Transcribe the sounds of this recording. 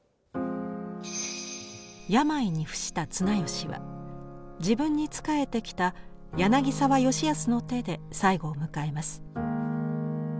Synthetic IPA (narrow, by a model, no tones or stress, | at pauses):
jamaiɲ̟iɸɯ̟̥ɕi̥t̪at͡sɨnajo̞ɕiβa̰ | d͡ʑibɯ̟̃ɲ̟ːit͡sɨ̥kae̞t̪e̞kʲi̥t̪a | janaɡʲisaβajo̞ɕijasɨno̞t̪e̞d̪e̞saiɡo̞ːmɯ̟kae̞masɨ̥